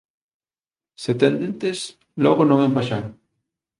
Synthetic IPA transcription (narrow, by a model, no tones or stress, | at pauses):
set̪end̪ent̪es | loɣonoŋempaʃaŋ